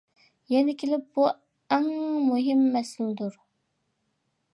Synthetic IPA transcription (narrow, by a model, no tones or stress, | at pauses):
jɛnɪkʲʰelɪp̚bu | ɛŋmuɦɪmːɛsɪld̪uɾ